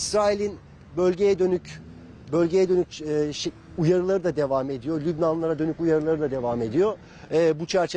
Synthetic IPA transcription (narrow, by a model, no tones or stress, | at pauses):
isɾaːilʲin | bølʲɟe̞jɛd̪ønyc | bø̞lʲɟe̞jɛd̪ø̞nycːʃ | ujaɾɯlˠaɾɯd̪ad̪e̞vaːme̞d̪ijolʲybnanlˠaɾad̪ø̞nycujaɾɯlˠaɾɯd̪ad̪e̞vaːme̞d̪ijoː | but͡ʃʰæɾt͡ʃʰe